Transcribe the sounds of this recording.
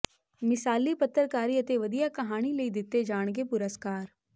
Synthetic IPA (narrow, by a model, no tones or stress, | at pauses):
mɪsaːlipɐt̪ːəɾkaːɾiɐt̪eʋɐd̪ijakɐɦaːɽ̃ileid̪ɪt̪ed͡ʒaːɽ̃kepʊɾəskaːɾ